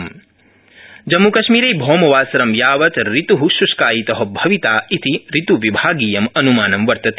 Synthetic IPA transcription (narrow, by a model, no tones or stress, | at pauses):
m | d͡ʒɐmːukɐʃmiːɾɐjbʱɔːmɐʋaːsɐɾɐmjaːʋɐt̪ɾit̪uɦuʃuʃkaːjit̪ɐɦɐbʱɐʋit̪aːʔit̪iɾit̪uʋibʱaːɡiːjɐmɐnumaːnɐmʋɐɾt̪ɐt̪ː